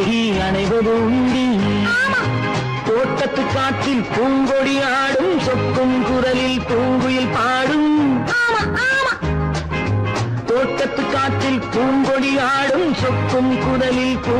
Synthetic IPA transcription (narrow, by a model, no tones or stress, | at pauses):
i | ɐɳɐɪʋɐðɯʊɳɖi | t̪oːʈːɐt̪ːɯkːaːʈ̪ːɪlpuːŋɡɔɽɪjaːɽɯmsɔkːɯmkʊɾɐlɪlpuːŋɡɯjɪlpaːɽɯmmːm | t̪oːʈːɐt̪ːɯkːaːʈ̪ːɪlpuːŋɡɔɽijaːɽɯmsɔkːɯmkʊðɐlɪlpuː